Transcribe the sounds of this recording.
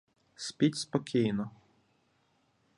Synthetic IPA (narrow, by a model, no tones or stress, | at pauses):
sʲpʲitʲspɔkʲijnɔ